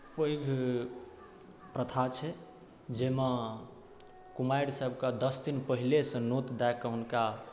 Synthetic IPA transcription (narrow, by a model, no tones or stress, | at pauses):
pəjɡʱ | pɾət̪ʰat͡ʃʰɛ | d͡ʒema | kumajɽsəbʱkad̪əsd̪inpəɦilesə̃not̪d̪ɛkːəɦunka